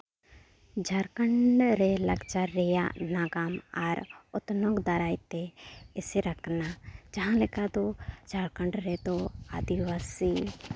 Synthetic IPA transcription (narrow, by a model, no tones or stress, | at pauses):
d͡ʒʱaːɾkəɳɖɾelɐɡt͡ʃaɾeja̰naːɡaːmaːɾʊt̪noɡd̪aɾaːit̪eɪseɾəkʰnad͡ʒɐɦãlɪkad̪od͡ʒʱaːɾkəɳɖɾet̪oa̰d̪iʋaːsi